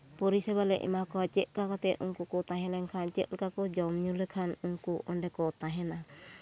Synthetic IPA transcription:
pɔɾisɛβalɛʔḭmakɔat͡ʃɛʔ̚kakat̪ɛʔʔṵŋkukɔt̪aɦɛlɛŋkʰat͡ʃɛʔ̪lɛkakɔd͡ʒɔmɲulɛkʰanuŋkuʔɔndɛkɔt̪aɦɛna

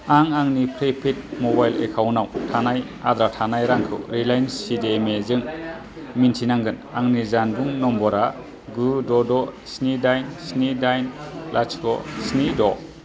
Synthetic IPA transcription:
aŋaŋnipʰɾepʰit̚mobajlḛkʰawnawtʰanaj | a̰d̪ɾatʰanajɾaŋkʰɯ̰wɾilajnsidemezɯŋ | mintʰinaŋɡɯnaŋnizanbuŋnɔmbɔɾa | ɡudɔdɔ | snidajnsnidajnlʔat͡ʃʰkɔsnidɔ

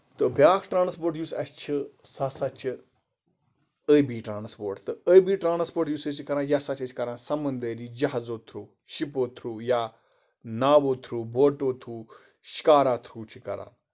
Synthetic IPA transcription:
t̪obʲjaːkʰʈɾaːnspoːɾʈjusɐ̰st͡ʃʰisasat͡ʃʰ | əbiːʈɾaːnspoːɾʈt̪ɨəbiːʈɾaːnspoːɾʈjuːsət͡ʃʰikɐɾãːjasat͡ʃʰɐt͡ʃʰkɐɾãːsɐmənd̪əːɾiːd͡ʒɐɦazoːt̪ʰɾuː | ʃipoːt̪ʰɾuːjaː | naːʋoːt̪ʰɾuːboːʈoːt̪ʰɾuː | ʃi̥kaːɾaːt̪ʰɾuːt͡ʃʰikɐ̰ɾã̰ː

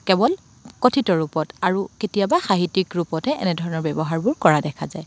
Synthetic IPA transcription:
kɛbɔl | kɔtʰitɔɹupɔtaɹuketijabaxaɦitikɹupɔtɛʔɛ̰nɛdʱɔɹɔnɔɹbɛbɔɦaɹbʊɹkɔɹadɛkʰazaj

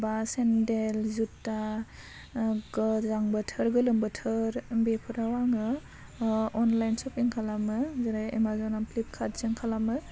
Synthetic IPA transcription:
basendelzutːa | ɡɯzaŋbɯtʰɯɾɡɯlɯmbɯtʰɯɾbepʰɯɾawaŋɯ | ɔnlajnsɔpiŋkʰalamɯzaɾaḛmazɔnampʰlip̚kʰatzɯŋkʰalamɯ

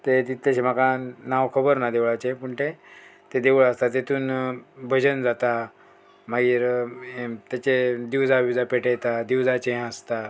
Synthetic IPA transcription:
t̪et̪it̪ːəɕem̤akanaʋkʰəbəɾnad̪eʋɭat͡ɕẽpuɳʈ̪et̪ed̪eʋɭast̪at̪et̪ʰuːnbʱəd͡ʑənd͡zat̪a | maɡiːɾ | t̪jat͡ɕed̪iʋd͡zabid͡zapeʈejt̪ad̪iwd͡zat͡ɕẽəst̪a

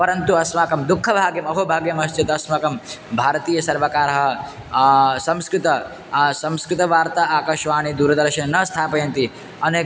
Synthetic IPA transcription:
pɐɾɐnt̪uɐsmaːkɐmd̪ukʰːɐbʱaːɡjɐmɐɦobʱaːɡjɐmɐst͡ʃɐt̪ɐɐsmɐkɐmbʱaːɾɐt̪iːjɐsɐɾʋɐkaːɾɐɦɐ | sɐ̃mskɾɪt̪ɐ | sɐ̃mskɾɪt̪ɐʋaːɾt̪aaːkɐʃʋaːnid̪uːɾɐd̪ɐɾʃɐnɐnɐst̪ʰaːpɐjɐnt̪i | ɐneː

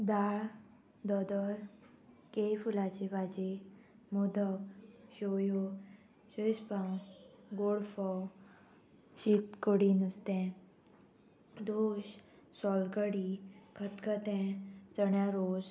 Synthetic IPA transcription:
d̪aɭ | d̪ɔd̪əl | kejfulat͡ɕebad͡ʑe | mod̪əkɕojo | ɕəspãwɡoɽfɔw | ɕit̪koɽinust̪ɛ̃ | d̪oɕ | sɔlkəɽikʰət̪kət̪ɛ̃t͡səɳjaɾos

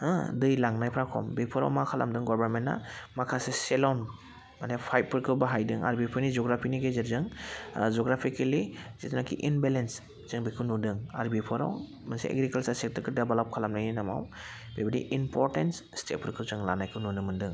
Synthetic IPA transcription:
adɯjlaŋnajpʰɾakʰɔ̰mbipʰɔɾa̰wmakʰala̰mdɯŋɡɔbaɾmenːa̰makʰaseselɔn | manepʰajp̚ːɯɾkʰɯbaɦajdɯŋa̰ɾbipʰɔɾnizɔɡɾapʰiniɡezeɾzɯŋd͡ʒɔɡɾapʰikeliz̥etnakʰḭʔinbelens | z̥ɯŋbikʰɯwnudɯŋa̰ɾbipʰɔɾa̰w | masḭḛɡɾikalsasek̚təɾkʰɯɾdebelɔp̚kʰalamnajninama̰w | bebaɾḭʔimpɔɾtensstet̚pʰɯɾkʰɯwzɯŋlanajkʰɯwnunɯmɯndɯŋ

